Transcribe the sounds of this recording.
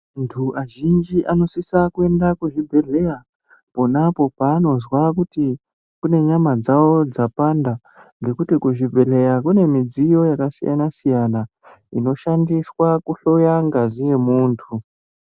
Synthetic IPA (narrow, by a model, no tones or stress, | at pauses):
ntʰuaʒind͡ʒiʔano̞sisakue̞ndakuʐibʱe̞ɮe̞ja | po̞napo̞paːno̞zwakuti | kune̞ɲamad͡zawo̞d͡zapanda | ŋɡe̞kutikuʐibʱe̞le̞jakune̞mid͡zijo̞jakasija̰nasijana | ino̞ʃandiswakuɬo̞jaŋɡazije̞muːntʰu